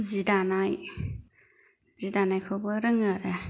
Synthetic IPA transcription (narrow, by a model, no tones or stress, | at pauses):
zidanaj | zidanajkʰobɯɾɯŋaɾɐ